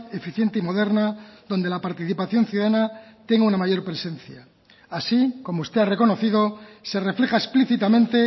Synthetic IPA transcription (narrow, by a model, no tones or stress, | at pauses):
e̞fiθje̞nt̪eimo̞ðe̞ɾnaðo̞nd̪elapaɾt̪iθipaθjo̞nθjuðaðanat̪e̞ŋɡunamaʝo̞ɾpɾe̞sẽ̞n̟θjaː | siko̞moust̪eare̞ko̞noθiðo̞se̞re̞fle̞xaespliθit̪amẽ̞nt̪e̞